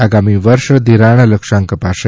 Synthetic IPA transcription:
aɡamiʋəɾʃd̪iɾaɳ̃ləkʂaŋkəpaʃə

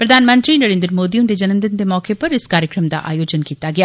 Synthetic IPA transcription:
pɾɐd̪ʱaːnmə̃nt̪ɾinɐɾẽːnd̪əɾmoːd̪ijũnd̪ed͡ʒɐnəmd̪ɪnd̪emɔːkepɐɾɪskaːɾjəkɾəmd̪a̰ʔa̰ːjoːd͡ʒənkiːt̪aɡɐjaː

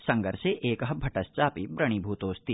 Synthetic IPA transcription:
sɐ̃ŋɡəɾseʔeːkɦɐbʱɐʈɐst͡ʃaːpibɾɐɽ̃ibʱuːt̪oːst̪i

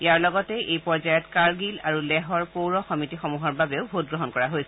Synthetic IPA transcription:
ijaɹlɔɡɔtɛʔejpɔɹzajɔtkaɹɡilaɹulɛɦɔɹpowɹɔxɔmitixɔmuɦɔɹbabɛʊbʱot̚ɡɹɔɦɔnkɔɹaɦojsɛ

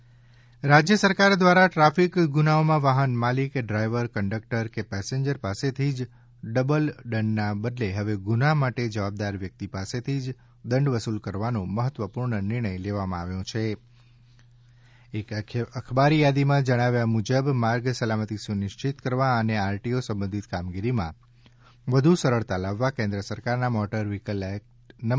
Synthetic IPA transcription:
ɾad͡ʒjəsəɾkaɾd̪ʋaɾaʈɾafikɡunaomãʋaɦənmalikɖɾajʋəɾkəɳɖək̚ʈəɾkepɛseɲd͡ʒəɾpaset̪ʰid͡ʒ | ɖəbəlɖəɳɖːabəd̪leɦəʋeɡunamaʈed͡ʒəʋab̚d̪aɾʋjək̚t̪ipaset̪ʰid͡ʒ | d̪əɳɖʋəsulkəɾʋanũməɦət̪ʋəpuɾɳənɪɾɳ̃əjleʋamãaʋjõt͡ʃʰe | ekəkʰbaɾijad̪imãd͡ʒəɽ̃aʋjamud͡ʒəbmaɾɡsəlamət̪isunɪʃt͡ʃɪt̪kəɾʋaəneaɾʈiosə̃mbə̃nd̪ʱit̪kamɡiɾimã̰ | ʋəd̪ʱusəɾəɭt̪alaʋːakẽnd̪ɾəsəɾkaɾnamɔʈəɾʋikəlɛkʈnə

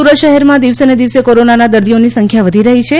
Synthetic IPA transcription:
uɾət̪ʃəɦɛɾmãd̪iʋsened̪iʋsekoɾonanad̪əɾd̪ijonisəŋkʰjaʋəd̪ʱiɾəɦit͡ʃʰe

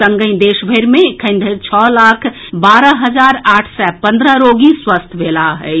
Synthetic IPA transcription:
səŋɡəĩd̪eʃbʱəɪɾmẽkʰə̃ɪ̃nd̪ʱəɾt͡ʃʰɔlakʰ | baɾəɦəd͡ʒaɾaːʈʰsɛpə̃nd̪ɾəɾoɡiswəst̪ʰbʱelaɦɛ

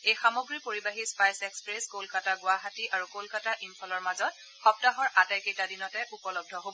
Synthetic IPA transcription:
ejxamoɡɹipoɹibaɦispajsekspɹeskolkataɡʊaɦatiʔaɹukolkataʔinpʰɔlɔɹmazɔt̚ | xɔp̚taɦɔɹʔatajkejtadinɔtɛʔupɔlɔb̚dʱɔɦobɔ

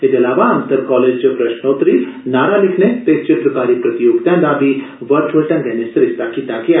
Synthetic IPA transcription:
ed͡ʒɐlaːʋaɐmsɐɾkɔːleːd͡ʒt͡ʃɐpɾɐʃnoːt̪ɾiːsnaːɾalɪkʰnet̪et͡ʃɪt̪ɾəkaːɾipɾɐt̪ijoːɡd̪ãnd̪aːbiʋɐɾʈʰʋɐlʈɐnɡɐnesɐɾɪʃt̪ʰakiːt̪akia

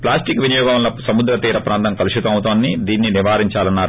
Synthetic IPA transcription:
plaːsʈikʋinɐjɔːɡɐɐlɐsɐmud̪ɾɐt̪iːɾɐpɾʔaːnt̪ɐŋkɐluʃut̪ɐmɐwut̪oːnːid̪iːnːiniʋaːɾiɲt͡ʃaːlɐnːaːɾu

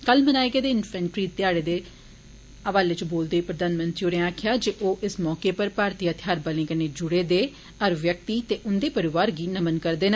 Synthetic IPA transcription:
kəlmənaːeɡeːd̪eːɪnfʰɛ̃ːɳʈɾiːt̪ɪjaːɽeːd̪eː | əʋaːleːt͡ʃboːld̪eːpɾəd̪aːnmənt̪ɾioːnẽːaːkʰɪjaːd͡ʒeːʔoːʔɪsmɔːkeːpəɾpaːɾt̪ijaːt̪ʰjaːɾbəlẽːkəneːd͡ʒʊɽeːd̪eː | əɾʋjək̚t̪iːt̪eːʔʊnd̪eːpəɾɪʋaːɾɡiːnəmənkəɾd̪eːnː

